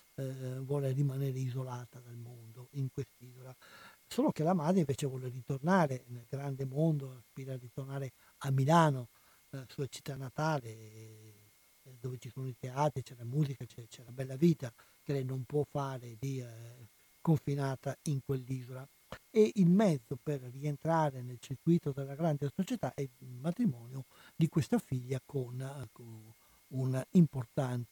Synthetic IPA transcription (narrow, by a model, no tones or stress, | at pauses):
vwɔːlerimanɛːɾeizolaːt̪ad̪almond̪oiŋkwest̪iːzolasoːlokelamad̪ɾeiɱveːt͡ʃevwɔːlerit̪ornaːɾenelɡɾand̪emond̪oaspiːɾarit̪ornaːɾe | amːilaːno | suat͡ʃi̥t̪ːanːat̪aːle | d̪oːvet͡ʃisoːnoit̪eaːt̪ɾit͡ʃɛlamuːzikat͡ʃɛt͡ʃɛlabɛlːaviːt̪a | kelɛjnompwɔfːaːɾed̪i | koɱfinaːt̪aiŋkwelːiːzola | eilmɛd̪zːoperːient̪ɾaːɾenelt͡ʃiɾkwiːt̪od̪elːaɡɾand̪esot͡ʃɛt̪aʔɛmat̪ɾimɔːnjo | d̪ikwest̪afiʎːakon | unaimport̪ant̪